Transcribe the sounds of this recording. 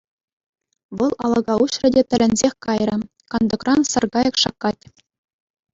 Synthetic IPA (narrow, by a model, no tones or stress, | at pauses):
ʋɤ̆lˠɑlˠɤ̆ɡɑuɕrɤ̆dʲet̪ʲɘ̆lʲɘ̆nʲzʲexʲkɑjrʲɤ̆ | kɑnd̪ɤ̆krɑnsɤ̆rɡɑjɤ̆kʂɑkːɑtʲ